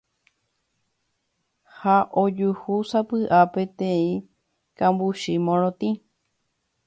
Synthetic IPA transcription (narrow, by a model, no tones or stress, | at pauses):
haʔod͡ʒuhusapɨʔapet̪ẽĩ | kãmbuʃimõɾ̃õt̪ĩ